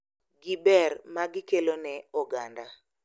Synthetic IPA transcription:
ɡibɛrmaɡɪkelonɛɔɡanda

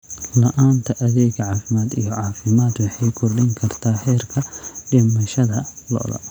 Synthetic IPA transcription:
lɐʔaːnt̪ʰɐʔɐðɛːɡɐʕɑːfɪmaːd̪ijɔʕɑːfɪmaːd̪wɑħɑjkʰɔrɖɪŋkʰɐrt̪ʰaːhɛːrkʰɐɖɪmɐʃɐðɐlɔ̰ːlɐ̰

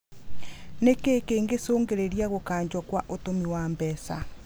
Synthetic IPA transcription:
nekeːkeːŋɡesoːŋɡeɾeɾiaɣokaːɲd͡ʑɔkwaʔotomiwaːmbɛsa̰

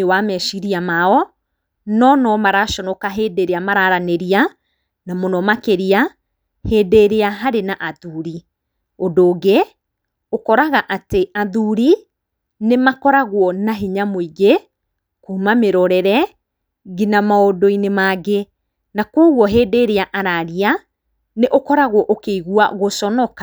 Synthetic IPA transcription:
ewamɛʃiɾiamaɔ | nɔnɔmaɾaʃɔnɔkaɦeːdeɾeamaɾaɾaneɾia | namonɔmakeɾia | heːdeɾeaɦaɾenaʔaðuɾi | odoːɡe | okɔɾaɣaʔateaðuɾi | nemakɔɾaɣwɔnaɦiɲamoiɡe | kumameɾɔɾɛɾɛ | ɣinamaodoinemaɡe | nakoɣwɔɦeːdeːɾeaʔaɾaɾia | neʔokɔɾaɣwɔʔokeiɣua̰ɣoʃɔnɔkḁ

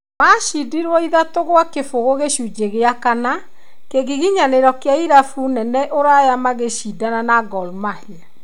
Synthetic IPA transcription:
maʃidiɾwɔiðatoɣwakefoɣoɣeʃud͡ʒeɣeakana | keɣiɣiɲaneɾɔkeaiɾafunɛnɛʔoɾajamaɣeʃidananaɡɔlmahea

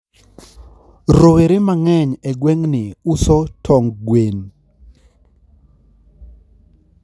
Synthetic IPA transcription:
ɾoweɾɪmaŋɛɲɛɡwɛŋnɪusɔtʰɔŋɡwen

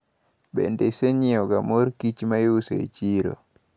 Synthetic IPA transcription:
ɓɛ̰ndɛseɲiɔɡamoɾkit͡ʃimajusɛɛ̰t͡ʃiːɾɔ̰

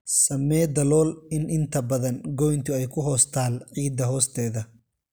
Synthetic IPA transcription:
sɐmːɛːd̪ɐlɔːlɪnʔɪnt̪ʰɐbɐðɐnɡɔjnt̪ʰʊɛjkʰʊɦɔːst̪ʰaːlʕiːd̪ɐɦɔːst̪ʰɛːðɐ

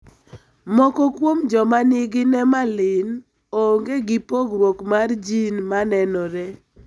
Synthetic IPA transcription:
mɔkɔkwomd͡ʒɔmanɪɡɪnɛmalɪn | oŋɡeɡɪpoɡɾwokmard͡ʒinmanɛnɔɾɛ

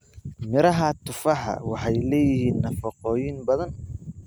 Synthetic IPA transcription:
mɪɾɐɦɐt̪ʰʊfɐħɐ̰wɑħɑjlɛːjɪhiːnːɐfɐqɔːjɪnbɐðɐn

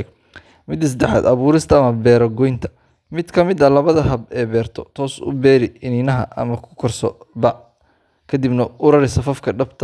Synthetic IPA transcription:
mɪd̪ɪs̬d̪ɛħa̰ːd̪ɐβuːɾɪst̪ʰɐːmɐbɛːɾɐɡɔjnt̪ʰɐ̥ | mɪd̪kʰɐmɪd̪ɐlɐβɐðɐɦɐbɛːbɛːrt̪ʰɔt̪ʰɔːsʊ̰bɛːɾɪɪninɐɦɐ̰ʔɐ̰mɐkʰʊ̥kʰɔrsɔbɐʕ | kʰɐd̪ibnɐʊɾɐɾɪsɐfɐfkʰɐɖɐbt̪ʰɐ

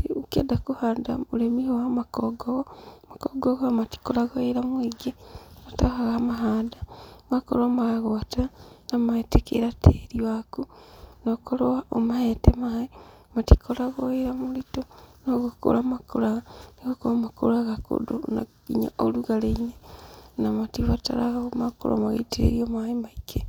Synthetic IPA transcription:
eukedakuhaːndamulemihowamakoɡoɣomakoɡoɣamati̥kolaɣoiɾamwiɡenatahaɣamaɦaːdamakolomaaɣoatanamaetekḛɾatʰeɾiwakunokolowaʔomahetemae | mati̥kʰolaɣoeɾamulitonoɣuko̰lamakolaɣaniɣokoamako̰laɣako̰do̰na | iɲa̰o̰luɣaleɲenamatiβata̰laɣaomako̰lo̰maɣḛtʰḛɾiomaemaikʰe

